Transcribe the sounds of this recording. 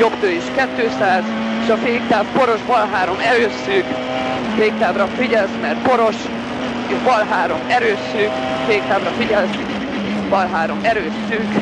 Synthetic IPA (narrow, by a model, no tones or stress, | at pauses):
jobt̪øːjeːʃkɛt̪ːøːsaːz | eːʃɒfeːk̚t̪aːvpo̞ɾo̞ʒbɒlɦaːɾo̞mɛɾøːsyk | feːk̚t̪aːvrɒfiɟɛlsmɛrt̪po̞ɾo̞ʃ | eʃbɒlɦaːɾo̞mɛɾøːsyːk | feːk̚t̪aːvrɒfiɟɛlsi | bɒlɦaːɾo̞mɛɾøːsyːk